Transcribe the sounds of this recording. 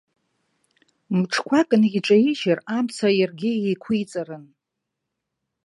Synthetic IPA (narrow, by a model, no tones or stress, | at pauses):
muʈ͡ʂʰkʷʰakʼnʲiʈ͡ʂʼaiʒaramt͡sʰajarɡʲɪejkʷʰujt͡sʼarɨn